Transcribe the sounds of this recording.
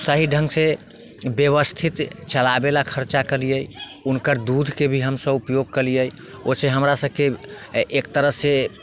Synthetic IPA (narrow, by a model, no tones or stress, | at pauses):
səɦiɖʱə̃ŋɡse | bjəβəst̪ʰit̪t͡ʃəlabelakʰəɾt͡ʃakəlijəj | unkəɾd̪ud̪ʱkebʱiɦəmsəbupjoɡ̚kəlijəj | oseɦəmɾasəb̚ʱkeʔːk̚t̪əɾəɦse